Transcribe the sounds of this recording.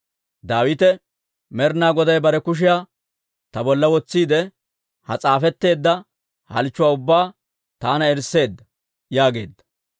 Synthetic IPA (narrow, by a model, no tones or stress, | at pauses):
d̪aːwɪt̪ɛ | mɛɾnaːɡɔd̪ɐjbɐɾɛkʊʃ̬ɪjaː | t̪ɐbɔlːɐwɔt͡sːiːd̪ɛ | hɐt͡sʼaːfɛt̪ːe̞ːd̪ːɐ | hɐ̰lt͡ʃːʊwaːʊbːaː | t̪aːnɐɛɾsːe̞ːd̪ːɐ̥ | jaːɡe̞̰ːd̪ːɐ̥